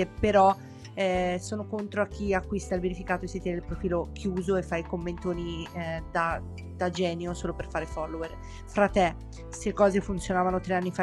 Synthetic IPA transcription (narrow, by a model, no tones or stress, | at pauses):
epeɾɔ | ɛsoːnokont̪ɾoak̟ːiakːwist̪ailbeɾifikaːt̪oesit̪ɛnilpɾofiːlok̟ʰjuːzoefːajkomːent̪oːnid̪a | d̪̥ad͡ʒɛːnjosoːloperfaːɾefɔlːoer | fɾat̪ːe | sekːɔːzefunt̪sjonaːvanot̪ɾeanːifa